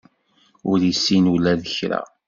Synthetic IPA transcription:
ʊɾjisːinulæðəçɾæ̰

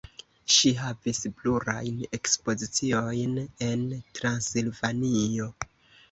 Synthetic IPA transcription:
ʃiɦavisbluɾa̰jne̞kspo̞zit͡sio̞jne̞ntɾansilvanio̞

